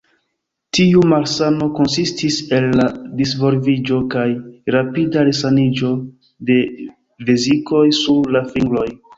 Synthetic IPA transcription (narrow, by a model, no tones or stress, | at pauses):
tiumaɾsano̞ko̞nsistise̞lːadisvo̞ɾvid͡ʒo̞kajɾapidaɾesanid͡ʒo̞ | de̞ | veziko̞jsuɾlafiŋɡlo̞j